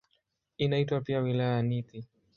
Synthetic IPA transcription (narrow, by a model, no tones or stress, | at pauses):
inaitwapiawilajajaniti